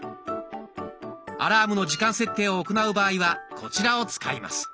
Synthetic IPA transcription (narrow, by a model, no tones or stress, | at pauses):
a̰ɾaːmɯ̟no̞ʑikãɰ̃se̞t̪ːe̞ːo̞ːko̞naɯ̟baːiβakʰo̞t͡ɕiɾao̞t͡sɨ̥kaima̰sɨ̥